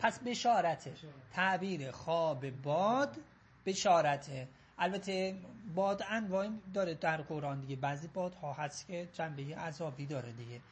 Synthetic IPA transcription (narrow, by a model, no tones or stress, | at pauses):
pʰæsbe̞ʃɒːɾæt̪ʰet̪ʰæʔbiːɾexɒːbebɒːd̪ | b̥e̞ʃɒːɾæt̪ʰe | ʔælbæt̪ʰebɒːd̪ænvɒːid̪ɒːɾed̪æɾɡoɾɒːnd̪iɟebæːziːbɒːd̪̥hɒːhæst̪cʰed͡ʒæmbejeʔæzɒːbiːd̪ɒːɾed̪iɟe